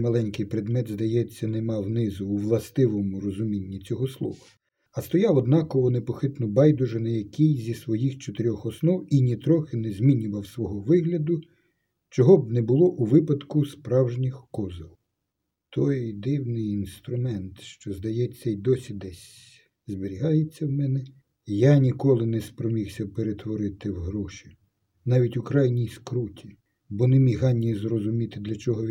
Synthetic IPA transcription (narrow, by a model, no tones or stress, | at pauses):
mɐlˠɛnʲkɪjpɾed̪mɛd̪zd̪ɐjɛt͡sʲːɐnemɑwnɪzʊːʋlˠɐst̪ɪʋɔmʊrɔzʊmʲinʲːit͡sʲɔɦɔslˠɔ̰ʋɐ | ɐst̪ɔjɑwɔd̪nɑkɔʋɔnepɔxɪt̪nʊbɑjd̪ʊʒɪnɐjɐkʲijzʲisʋɔjixt͡ʃɔt̪eɾʲɔxɔsnɔwinʲit̪ɾɔxɪnɛzʲmʲinʲʊʋɐwsʋɔɦɔʋɪɦlʲɐd̪ʊ | t͡ʃɔɦɔbnɛbʊlˠɔʔuʋɪpɐd̪kʊspɾɑwʒnʲixkɔzɪlˠ | t̪ʰɔjd̪ɪwnɪjinst̪ɾʊmɛnt̪ʃt͡ʃɔzd̪ɐjɛt͡ssʲːɛjd̪ɔsʲid̪ɛsʲ | zbɪɾʲiɦɑjet͡sʲːɐwmɛnɛ | janʲikɔlˠɪnɛspɾɔmʲiwsʲɐpeɾet̪ʋɔɾɪt̪ɪwɦɾɔʃi̥ | nɑʋʲitʲʊkɾɑjnʲijskɾutʲi | bɔnɛmʲiɦɑnʲːizrɔzʊmʲit̪ɪd̪lʲɐt͡ʃɔɦɔ